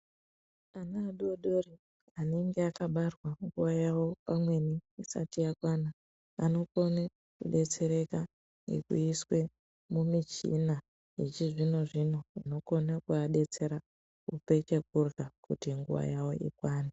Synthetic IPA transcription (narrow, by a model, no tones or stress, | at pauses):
anaːɗuoɗori | ane̞ŋɡeakaɓarwaŋɡuʋajawo̞pamwe̞niisa̰tijakwana | a̰no̞ko̞ne | kṵɗe̞t͡se̞ɾe̞ka | ŋɡḛkṵiswe̞ | mumit͡ʃḭna | it͡ʃiʐino̞ʐino̞ino̞ko̞nakuaɗe̞t͡se̞ɾa | kṵpe̞t͡ʃe̞k̚urɣakutiŋɡṵʋa̰jawo̞̰ʔḭkwaːna